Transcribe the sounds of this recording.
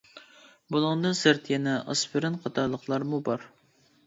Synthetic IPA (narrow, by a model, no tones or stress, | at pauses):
bulˠɨŋd̪ɨsɨɾt̪ʰjɛnɛʔɑ̰sbɪɾɪnqʰɑt̪ʰɑɾlˠəqlˠɑɾmubɑɾ